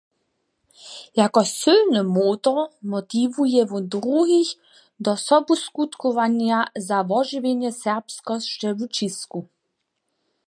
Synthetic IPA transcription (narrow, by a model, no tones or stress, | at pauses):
jakɔsylnɨmoːt̪ɔmɔt̪ivujɛvɔd̪ɾuɦix | d̪ɔsɔbuskut̪kɔvaɲjazavɔʒivʲjeɲjɛsɛʁpskɔsʃt͡ʃɛvut͡ʃisku